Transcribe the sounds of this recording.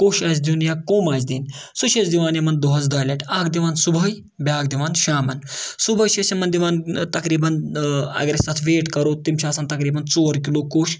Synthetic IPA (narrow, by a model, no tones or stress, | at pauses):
koːʃasd̪iunjakoːmaːsd̪iːnsuʃɐt͡sd̪iʋaːnjemɐnd̪oɦɐd͡zd̪aːjlɐʈaːkd̪iʋaːnsubʱɐj | bʲaːk̚d̪iʋaːnʃaːmɐnsubʱəjʃɐsɐmɐnd̪iʋaːnt̪ɐkɾiːbɐnɐ̰ɡɾest̪at̪ʰʋeːʈkɐɾot̪imt͡ʃʰaːsaːnt̪ɐkɾiːbɐnt͡soːɾkilokoːʃ